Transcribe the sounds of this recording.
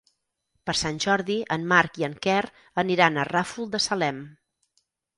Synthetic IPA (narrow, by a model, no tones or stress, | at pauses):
pəɾsanʲʒɔɾðiʔənmaɾkiəŋkɛr | əniɾanərafulˠd̪əsəlɛm